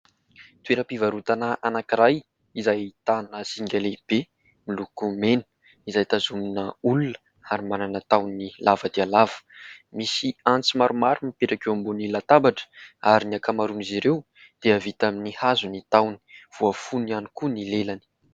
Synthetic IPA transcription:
t̪ueɾəpivaɾut̪anəʔanakiɾaj | izajit̪anəsiŋɡʲaleb̥e | milukumenə̥ | izajt̪azuminəulunə̥ | aɾimananət̪awnilʔavəd̪ialav̥ə̥misiant͡simaɾumaɾumipeʈ͡ʂakewambunilat̪abaʈ͡ʂə̥aɾiniakamaɾuniziɾew | d̪̥eavit̪aminihazunit̪awni̥v̥uafunianikunilelani̥

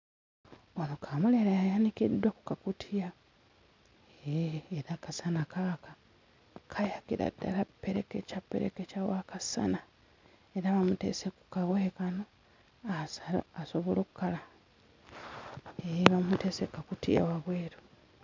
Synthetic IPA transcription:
onokʰaːmuleɾajajanikidwaku̥kakutʰija | eːɾakasanakaka | kʰajakiɾa̰da̰lapːeɾekecapːḛɾḛkecawakasa̰na | eɾaβamutḛseku̥kaɣwekano | asa̰asoβoloku̥kala | eβamutesekakutʰija̰waɣweːɾu

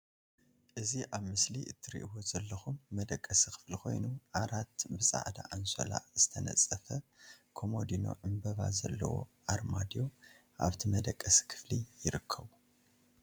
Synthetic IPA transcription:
ʔɨziʔaβmɨsliʔɨt̪ʰːɨɾḭʔiwozɐlːɐxumːɐd̪ɐkʼːɐsixɨ̥fliko̞̰jnuʕaɾat̪bɨsʼa̰ʕd̪a̰ʔanso̰la̰z̥ɨt̪ʰɐnɐ̰t͡sʼːɐfɐkʰo̞mo̞d̪ino̰ʕɨmbɐβa̰zɐlːɐ̰wo̞̰ʔaɾmad̪jo̞ | ʔa̰βt̪ʰimɐd̪ɐkʼːɐsi̥kʰɨ̥flijɪɾɨkʰːɐβu

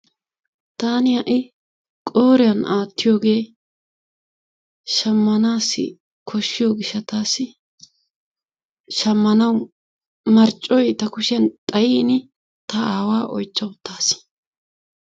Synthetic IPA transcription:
t̪aːnɪjɐʔɪ | kʼoːɾɪjɐnaːt̪ːɪjo̞ːɡe̞ː | ʃɐmːɐnaːsːɪ̰ | kʰɔʃːɪjoːɡɪʃːɐt̪aːsɪ | ʃɐmːɐnɐw | mɐɾt͡ʃʼːɔjt̪ɐkʊʃɪjɐnt̪ʼɐjiːnɪ | t̪ɐaːwaːʔɔ̰jt͡ʃːɐwʊt̪ʰːaːs

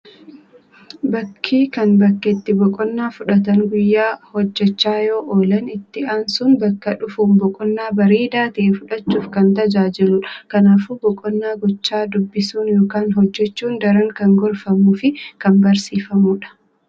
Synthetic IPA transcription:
bɐkʰːiːkɐnbɐkːɪt̪ːɪbɔkʼɔnːaːfʊᶑɐt̪̬ɐŋɡʊjːaːhɔd͡ʒːɛt͡ʃːaːjo̞ːʔoːlɐnɪt̪ːɪaːnsʊnbɐkːɐᶑʊfuːmbɔkʼɔnːaːbɐɾeːd̪aːt̪ɐʔeːfʊᶑɐt͡ʃːuːfkɐnt̪ɐd͡ʒaːd͡ʒɪlʊᶑkɐnaːfuːbɔkʼɔnːaːɡɔt͡ʃːaːd̪ʊbːɪsuːnjoːkaːnɦɔd͡ʒːɛt͡ʃːuːnd̪ɐɾɐŋkɐŋɡɔɾfɐmuːfɪkɐnbɐɾsiːfɐmuːᶑɐ̥

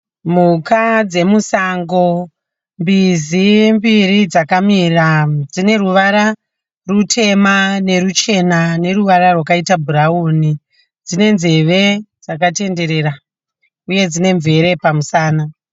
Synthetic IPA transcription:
m̤ukad͡ze̞musaŋɡo̞ | mbizimbirid͡zakamirad͡zine̞ruʋaɾa | rutʰe̞mane̞ɾut͡ʃe̞nane̞ruʋaɾarwakaitabʱuɾauːni | d͡zine̞nze̞ʋe̞d͡zak̬ate̞nde̞ɾe̞ɾa | uje̞d͡zine̞ɱve̞ɾe̞pamusaːna

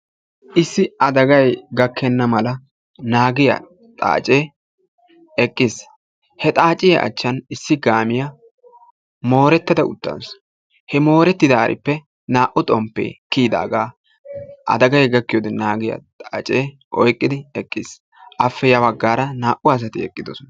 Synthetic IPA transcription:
ʔɪsːɪɐd̪ɐɡɐjɡɐkʰːɛnːɐmɐlɐ | naːɡɪjɐ̰ | t̪ʼa̰ːt͡ʃʼeː | ɛkʼːɪs | hɛt̪ʼaːt͡ʃʼɪjɐ̰ʔɐ̰t͡ʃːɐnɪsːɪɡaːmɪjɐ | mo̞ːɾɛt̪ːɐd̪ɐʊ̰t̪ːɐ̰ns | hɛmo̞ːɾɛt̪ːɪd̪aːɾʔɪ̰pːɛ | naːʔʊt̪ʼɔmpːḛːkiːd̪a̰ːɡaː | ʔɐ̰d̪ɐɡɐjɡɐkːɪjɔd̪ɛnaːɡɪjɐ̰t̪ʼaːt͡ʃʼeː | ʔɔjkʼːɪd̪ɪɛkʼːɪs | ʔɐfːɛjɐbɐɡːaːɾɐnaːʔʊaːs̬ɐt̪ɪɛkʼːɪd̪ɔsɔnɐ

